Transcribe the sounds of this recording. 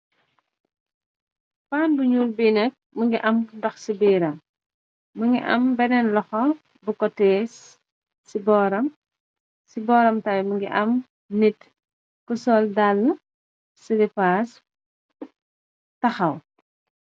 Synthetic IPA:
faːnbuɲuːlbinɐk̚məŋɡiʔɐmdɔxsibiːɾɐ | məŋɡḭʔɐ̰mbɛnɛnlɔxɔ | bukɔtɛːsː | ibɔːɾɐm | sibɔːɾɐmtɐwməŋɡiʔɐm | nit | kəsɔːldal | silipaːs | tɐxɐw

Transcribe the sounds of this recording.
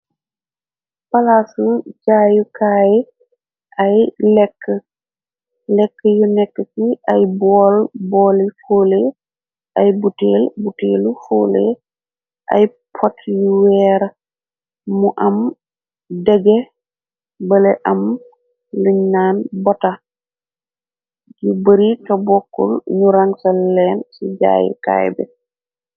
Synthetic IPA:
palasuɟaːjukaːj | ʔajlɛkːə | lɛkːəjunɛkːəsiʔajbɔːlbɔːlifoːle | ʔajbuteːlbuteːlufoːlḛ | ʔa̰j | pʰɔtʰwɛɾa | muʔam | dɛɡɛ | bəlɛʔam | luɲnaːnbɔta | jibəɾitabɔkːṵlɲuɾaŋsalːɛnsid͡ʒa̰ːjḭka̰jbɛ̰

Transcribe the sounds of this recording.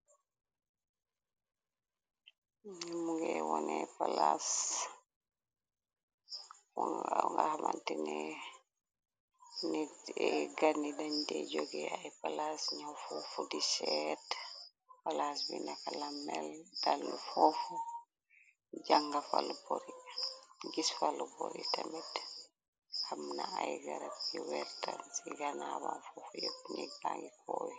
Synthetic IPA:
muɡɛwɔnɛpalas | ŋɡahamantinɛ | niɛɡanidandɛd͡ʒoɡɛajpalasɲafɔfudisɛt | palasbinakalamːɛld̥alːufɔfu | ɟaŋɡafaluboɾi | ɡisfaluboɾḭtamit | hamnaajɡaɾat̚kiwɛɾtansiɡanabanfɔfujokɲɛbaŋɡikɔji

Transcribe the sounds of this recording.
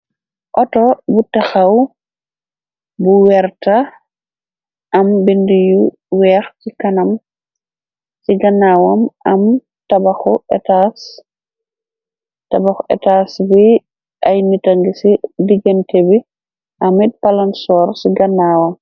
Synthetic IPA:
ʔɔtɔbutaxaw | buwɛɾta | ʔɐmbindiju | wɛːxsikanɐm | siɡɐnːawɔmɐm | tabaxɔɛtas | tabaxɔʔɛ̰tasbi | ʔajnitaŋɡisidiɡentʰebi | ʔɐmit̚palansɔːɾsiɡɐnːawɔm

